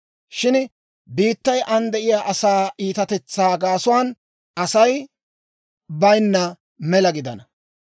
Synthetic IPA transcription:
ʃɪn | biːt̪ːɐjʔɐnd̪ɛʔɪjaːʔɐsaːʔiːt̪ɐt̪ɛt͡sːaːɡaːsʊwaːn | ʔɐsɐj | bɐjnːɐ | mɛlɐɡɪd̪ɐ̰nɐ

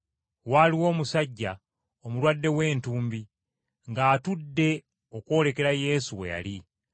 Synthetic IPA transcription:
waliwo̞ːmusaɟːa | omulwadːe̞we̞ːntuːmbi | ŋɡaːtudːe̞ | o̞kwo̞ːle̞ke̞ɾaje̞ːsuwe̞̰ja̰li

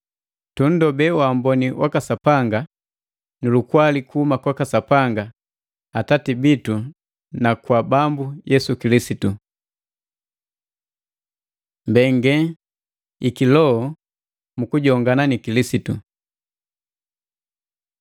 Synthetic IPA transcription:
tun̩dɔbɛwambɔniwʔakasapaŋɡa | nulukwalikuhumakwakasapaŋɡa | atatibitu | nakwabambujɛsukilisitu | mbɛŋɡɛ | ikilɔɔ | mukuɟɔŋɡananikilisitu

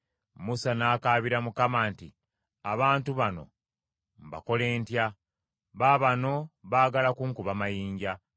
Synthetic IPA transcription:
musanaːkaːβiɾamukamaːnti | aβaːntuβano̞̰ | mba̰ko̞le̞ːntja | βaβano̞βaːɡalakuŋkuβamajiːɲɟa

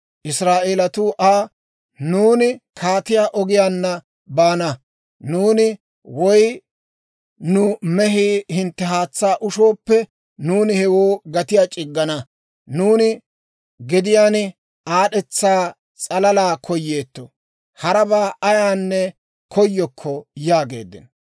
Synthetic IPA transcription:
ʔɪsɾaːʔeːlɐt̪ʊʔaː | nuːnɪkʰaːt̪ɪjaːʔɔɡɪjaːnːɐ | baːnɐ | nuːnɪ | wɔj | nʊmɛɦiːhɪnt̪ːɛɦaːt͡sːaːʔʊʃo̞ːpːɛ | nuːnɪhɛwoːɡɐt̪ɪjaːt͡ʃʼɪɡːɐnɐ | nuːnɪ | ɡɪd̪ɪjaːn | aːɗɛt͡sːaː | t͡sʼɐlɐlaːkʰɔjːeːt̪ːo | hɐɾɐbaːʔɐjaːnːɛ | kʰɔjːɔkʰːɔjaːɡḛːd̪ːɪ̰n

